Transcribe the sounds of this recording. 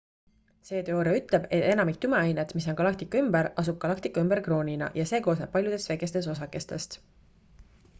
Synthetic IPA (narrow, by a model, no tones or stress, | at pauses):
se̞ːt̪eoːɾeyt̪ˑle̞b̥e̞t̪ːˑe̞nɑmik̚t̪ymeɑjnet̪mis̬o̞nɡ̥ɑlɑkt̪ikːˑɑymbeɾʔɑs̬ub̥̚ɡ̥ɑlɑkt̪ikːˑɑymbeɾkro̞ːnʲinɑ̰ʔjɑse̞ːkoːsnep̚ːɑlʲjud̪̥e̞st̪veɡe̞st̪e̞s̬o̞sɑkːˑe̞st̪e̞st̪